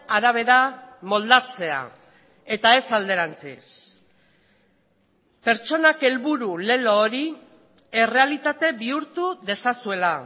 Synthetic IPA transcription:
aɾaβ̞e̞ɾamo̞ld̪at͡se̞a̰ | e̞t̪ae̞sald̪e̞ɾant͡sḭs | pe̞ɾt͡ʃo̞nake̞lβuɾule̞loːɾi | e̞re̞alit̪at̪e̞βiuɾt̪uðe̞sasue̞la

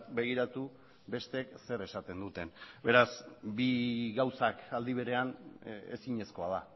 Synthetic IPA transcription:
tbe̞ɣ̞iɾat̪u | be̞st̪ekse̞ɾe̞sat̪e̞nd̪ut̪e̞nbe̞ɾasbiɣawsakald̪iβ̞e̞ɾe̞anḛsiɲe̞sko̞að̞a

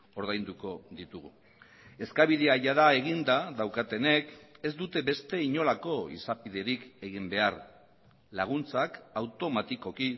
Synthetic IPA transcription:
o̞ɾðajnd̪uko̞ðit̪uɣu | e̞skaβ̞iðe̞aʝaðae̞ɣ̞ind̪aðawkat̪e̞ne̞ke̞zd̪ut̪e̞βe̞st̪e̞iɲo̞lako̞ḭsapiðe̞ɾike̞ɣimbe̞aɾ | laɣ̞unt͡sakawt̪o̞mat̪iko̞ki

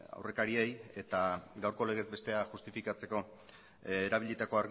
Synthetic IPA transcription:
a̰wre̞kaɾie̞je̞t̪aɡawɾko̞le̞ɣ̞e̞zbe̞st̪e̞aʝust̪ifikat͡seko̞ | eɾaβ̞iʎit̪ako̞aɾɣ

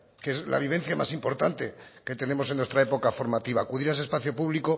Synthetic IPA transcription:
kezla̰βiβ̞e̞nθjama̰simpo̞ɾt̪ant̪e̞ke̞t̪e̞ne̞mo̞s̬enwe̞st̪ɾaepo̞kafo̞ɾmat̪iβaːkuðiɾase̞spaθjo̞puβliko̞

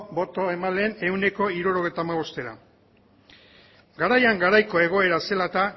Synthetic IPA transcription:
bo̞t̪o̞e̞maleːne̞wne̞ko̞iɾuɾo̞ɣ̞ejt̪amaβ̞o̞st̪e̞ɾa̰ | ɡaɾajaŋɡaɾajko̞e̞ɣ̞o̞e̞ɾase̞lat̪a

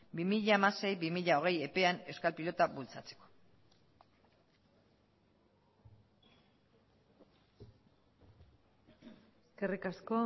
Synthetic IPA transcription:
bimiʎaːmase̞jβimiʎao̞ɣ̞e̞je̞pe̞ane̞wskalpilo̞t̪aβult͡sat͡se̥ko̥ | eeske̞rikasko

